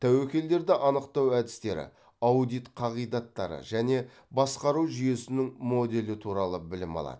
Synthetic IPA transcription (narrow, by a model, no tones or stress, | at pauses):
t̪ʰæwekʲe̞ld̪e̞ɾd̪ɪʔɑnəqt̪ɑwæd̪ɪst̪e̞ɾɪ̰ | ɑwd̪ijt̪qʰɑʁijd̪ɑt̪ːɑɾə̰ʒæne̞ | bɑsqɑɾuʒʏje̞sɪnɪŋmo̞d̪e̞lɪt̪ʰuɾɑlˠəbɪlɪmɑ̰lˠɑ̰d̪̥ə